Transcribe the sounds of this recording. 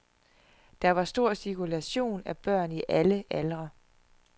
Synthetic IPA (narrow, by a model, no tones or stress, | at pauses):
d̥ɑ̈ʋɑ̈sd̥o̝ɐ̰sikʰulæɕo̝̰ːnæb̥ɶɐ̰niʔæləʔælʁɐ